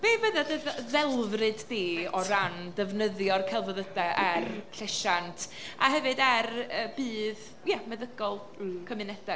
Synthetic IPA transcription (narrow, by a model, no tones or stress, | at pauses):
b̥eːvəðadəððɛlˠvrɨdːiːɔɾandəvnəðjɔrkʰɛlˠvəðədɛʔɛrʰɬɛʃantʰaɦɛvɨdɛrəbiːð | jamɛðəɡɔlˠ | kʰəmɨnɛd̥ɛ